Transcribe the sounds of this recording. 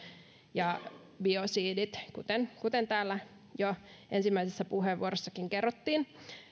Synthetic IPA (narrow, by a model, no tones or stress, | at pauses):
jɑ | biosiːdit̪kṵt̪enkut̪ent̪æːlːæ | jo | ensimːæisesːæpuɦeʋːuoɾosːɑkiŋkerːot̪ːiːn